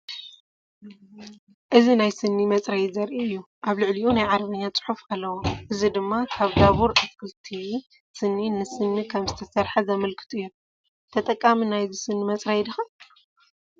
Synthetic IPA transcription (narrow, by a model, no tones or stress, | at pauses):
ʔɨzinajsɨnːimɐt͡sʼɾɐj̪zɐɾʔiɨjːu | ʔaβlɨʕliʔunajʕaɾβɨɲːat͡sʼɨ̥ħufalːɐwoʔɨzid̪ɨmːakʰaβd̪aβuɾʔɨskʰɨlt̪ʰi | sɨnːinɨsɨnːikʰɐmzɨt̪ʰɐsɐɾħazɐmɐlkʰɨ̥t̪ʰuɨjːu | t̪ʰɐt̪ʼɐkʼːaminajzisɨnːimɐt͡sʼɾɐjd̪ɨxa